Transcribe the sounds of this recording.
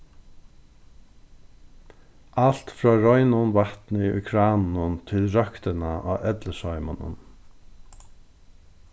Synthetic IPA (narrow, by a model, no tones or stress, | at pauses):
al̥t̪fɾɔːɾɔjnʊnvaht̪nɪʊ̰jkʰɾaːnnʊnt̪ʰɪlɾœkt̪ɪnaʔa̰ːʔɛt̪ləsɔʏma̰nʊ̰n